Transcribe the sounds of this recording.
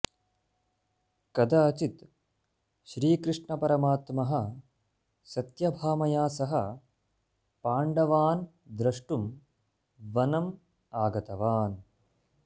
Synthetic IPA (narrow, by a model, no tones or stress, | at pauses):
kɐd̪aːt͡ʃit̪ | ʃɾiːkɾɪʂɳɐpɐɾɐmaːt̪mɐɦɐ̆ | sɐt̪jɐbʱaːmɐjaːsɐɦɐ | paːɳɖɐʋaːn | d̪ɾɐʂʈum | ʋɐnɐm | aːɡɐt̪ɐʋaːn